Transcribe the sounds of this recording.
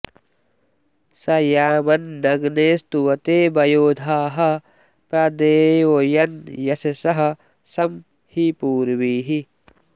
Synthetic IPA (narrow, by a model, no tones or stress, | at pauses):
sɐjaːmɐnːɐɡneːst̪uwɐt̪eːbɐjoːd̪ʱaːɦɐ | pɾɐd̪eːojɐnjɐsɐsɐɦɐ̆ | sɐm | hipuːɾʋiːɦi